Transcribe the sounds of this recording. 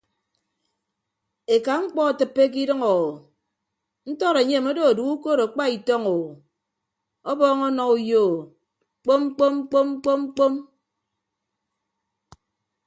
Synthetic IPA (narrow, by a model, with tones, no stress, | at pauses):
e˨ka˨ŋ͡m̩˦k͡pɔ˦a˨tɨ˨pːe˦k̬i˦dɨ˦ŋo˨wo˨ | n̩˦tɔ˦ɾe˨ɲe˦˨mo˦do˨du˨u˦ko˦ɾo˨k͡pa˦i˨tɔ˦ŋo˨w | ɔ˦bɔː˦ŋɔ˦nɔ˨ku˦jo˦˨ | k͡po˦m̩˦k͡po˦m˦k͡po˦m̩˦k͡po˦m̩˦k͡po˦m